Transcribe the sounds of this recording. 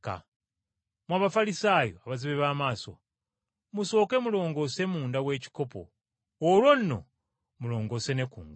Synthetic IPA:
ka̰ | mwaβafalisaːjo̰aβaziβeβaːmaːso̞̰ | muso̞ːke̞mulo̞ːŋɡo̞ːse̞muːndawe̞ːci̥ko̞po̞̰ | olwo̞nno̞̰ | mulo̞ːŋɡo̞ːse̞ne̞kṵːŋɡ

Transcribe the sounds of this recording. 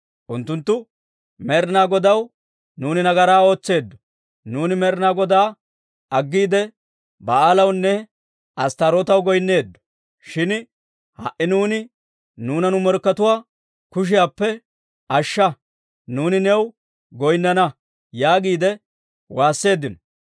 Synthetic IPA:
ʔʊnt̪ːʊnt̪ːʊ | mɛɾnaːɡɔd̪ɐw | nuːnɪnɐɡɐɾaːo̞ːt͡sːe̞ːd̪ːɔ̥ | nuːnɪmɛɾnaːɡɔd̪aː | ɐɡːiːd̪ɛ | bɐaːlɐwnːɛ | ʔɐst̪ɐɾoːt̪ɐwɡɔjnːe̞ːd̪ːɔ̥ | ʃɪn | hɐ̰ʔɪnuːnɪ | nuːnɐnʊmɔɾkːɐt̪ʊwaː | kʊʃ̬ɪjaːpːɛ | ʔɐʃːɐ | nuːnɪnɛw | ɡɔjnːɐnɐ | jaːɡiːd̪ɛ | waːsːe̞ːd̪ːɪnɔ

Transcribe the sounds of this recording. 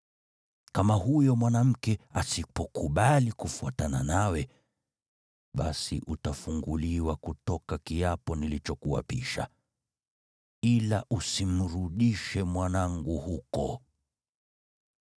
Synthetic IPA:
kamahujɔmwanam̩kɛasipɔkuɓalikufuatananawɛ | ɓasḭʔutafuŋɡuliwakutɔkakiapɔnilit͡ʃɔkuwa̰piʃa̰ | ilaʔusim̩ɾuɗiʃɛmwanaŋɡuhukɔ̰

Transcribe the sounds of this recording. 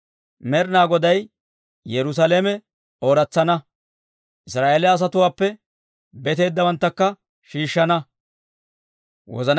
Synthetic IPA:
mɛɾnaːɡɔd̪ɐj | jɛɾʊs̬aːleːmɛ | oːɾɐt͡sːɐnɐ | ʔɪsɾaːʔeːlɛɐs̬ɐt̪ʊwaːpːɛ | bɛt̪e̞ːd̪ːɐwɐnt̪ːɐkːɐ | ʃiːʃːɐnɐ | wɔ̰zɐn

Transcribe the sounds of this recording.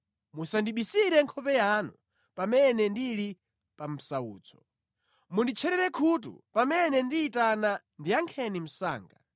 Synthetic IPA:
musandiɓisiɾɛŋkʰɔpɛjanu | pamɛnɛndili | pam̩saṵːt͡sʰɔ̥ | mundit͡ʃʰɛɾɛɾɛkʰut̬ṵpamɛnɛndiːtana | ndiaŋkʰɛnim̩sa̰ːŋɡa

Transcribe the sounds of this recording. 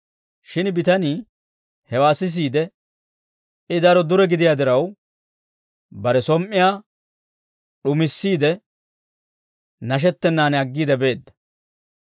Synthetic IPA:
ʃɪnbɪt̪ɐniː | hɛwaːsɪs̬iːd̪ɛ | ɪd̪ɐɾɔd̪ʊɾɛɡɪd̪ɪjaːd̪ɪɾɐw | bɐɾɛsɔmʔːɪjaː | ɗʊmɪsːiːd̪ɛ | nɐʃ̬ɛt̪ːɛnːaːnɐɡːiːd̪ɛbe̞ːd̪ːɐ̥

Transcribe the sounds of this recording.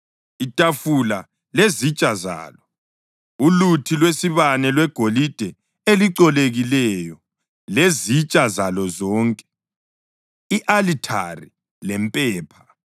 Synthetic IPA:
itʼafula | lezit͡ʃʼaza̰ːlɔ | ulutʰilwesiβanɛlwɛɡ̥ʱolid̥ʱɛ | eliǀɔleɣilɛjɔ | lezit͡ʃʼazalɔzɔːŋkʼɛ̥ | iʔalitʰa̰ri | lɛmpʼɛːpʰḁ

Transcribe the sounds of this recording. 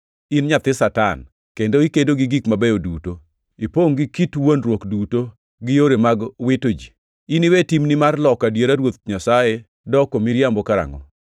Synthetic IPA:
inɲat̪ɪsata̰n | kendoikedoɡiɡikmabejoduto | ipoŋɡikitwonɾwokduto | ɡɪjoɾemaɡwɪtod͡ʒi | iniwetimnimarlɔkadjeɾaɾwot̪̚ɲasaje | dɔkomiɾjambɔkaɾa̰ŋɔ̰

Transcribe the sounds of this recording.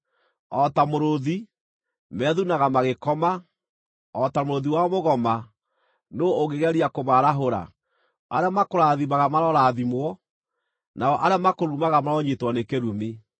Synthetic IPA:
ɔtamoɾoði | mɛːðunaɣamaɣekɔma | ɔtamoɾoðiwaɔmoɣɔma | nooɣeɣɛɾiakomaɾaɦoɾa̰ | aɾeamakoɾaðimaɣamaɾɔɾaðimwɔ | naɔʔaɾeamakoɾumaɣamaɾɔɲetwɔnekeɾumi

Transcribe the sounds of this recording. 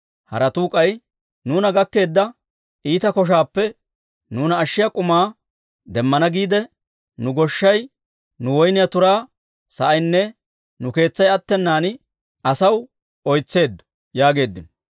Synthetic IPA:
hɐ̰ɾɐt̪uːkʼɐj | nuːnɐɡɐkːe̞ːd̪ːɐ | iːt̪ɐkɔʃ̬aːpːɛ | nuːnɐːʃːɪjɐkʼʊmaː | d̪ɛmːɐnɐɡiːd̪ɛ | nʊɡɔʃːɐj | nʊwɔjnɪjɐt̪ʊɾaː | sɐʔɐjnːɛ | nʊke̞ːt͡sːɐjɐt̪ːɛnːaːn | ɐsɐw | ɔjt͡sːe̞ːd̪ːʊ̥ | jaːɡe̞ːd̪ːɪn

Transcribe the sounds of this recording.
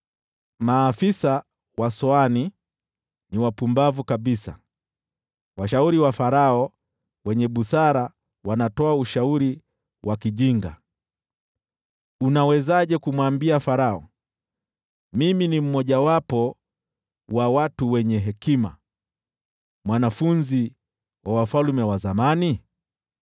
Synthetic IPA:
maːfisa | wasɔani | niwapumbavukaɓisa̰ | waʃauɾiwafaɾaɔ | wɛɲɛɓusaɾa | wanatɔauʃauɾi | wʔakiʄiŋɡa̰ | unawɛzaʄɛkumwambiafaɾaɔ | miminim̩mɔʄawapɔ | wawatuwɛɲɛɦɛkima̰ | mwanafunzi | wʔawafalmɛwazamani

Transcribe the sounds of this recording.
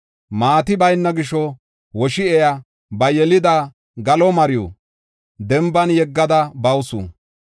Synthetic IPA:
maːt̪ɪbɐjnːɐɡɪʃɔ | wɔʃɪɛjɐ | bɐjɛlɪd̪ɐ | ɡɐlɔmɐɾɪjɔ̰ | d̪ɛmbɐnjɛɡːɐd̪ɐbɐwsṵ

